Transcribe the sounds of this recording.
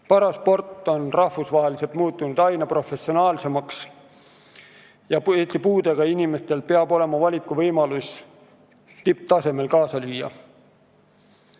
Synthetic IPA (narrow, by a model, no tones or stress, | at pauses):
pɑɾɑspo̞rt̪ːˑo̞nrɑhfusvɑɦelise̞lt̪muːt̪ːˑunud̪̥ɑjnɑpro̞fe̞sio̞nɑːlse̞mɑks | jɑeːt̪ipuːd̪e̞ɡ̥ɑinime̞st̪e̞lpeɑbo̞le̞mɑvɑlʲikːˑuvɤjmɑlus | t̪ip̚t̪ɑse̞me̞lkɑːsɑlyːjːɑ̰